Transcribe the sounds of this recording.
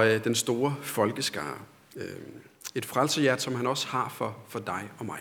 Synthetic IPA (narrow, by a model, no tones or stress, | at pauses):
d̥ensd̥o̝ːɐfɒ̽lɡ̥əsɡ̥ɑ̰̈ː | e̝d̥fʁalsəjæɐd̥sɒ̽mhænɒ̽shɑ̈fɒ̽fɒ̽d̥ɑ̈ɪɒ̽mɑ̈ɪ